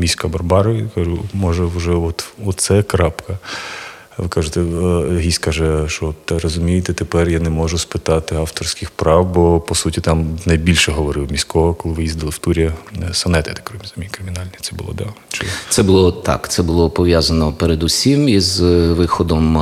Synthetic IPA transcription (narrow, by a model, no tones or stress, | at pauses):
mʲisʲkɐbɐrbɑɾɔʋikɑʒumɔʒɛwʒɛɔt̪ɔsɛkɾɑpkɐ | ʋɪkɑʒet̪ɛɦʲisʲkɑʒɛʃt͡ʃɔɔt̪ːɛrɔzʊmʲijɪt̪ɛt̪epɛrjanɛmɔʒʊspɪt̪ɑt̪ɪɑft̪ɔrsʲkʲɪxpɾɑwbɔpɔsutʲit̪ɑmnɐjbʲilʲʃɛɦɔʋɔɾɪwmʲisʲkɔɦɐkɔlˠɪʋɪjizʲd̪ɪlˠɪwt̪uɾʲiɐsɐnɛt̪ɪt̪ɛ̥kɾɔmʲizɐmʲikɾɪmʲinɑlʲnʲit̪sɛbʊ̰lˠɔ̰d̪ɑt͡ʃɪ̰sɛbʊlˠɔt̪ɑ̰kt̪sɛbʊlˠɔpɔʋʲjazɐnɔpeɾed̪usʲimizʋɪxɔd̪ɔm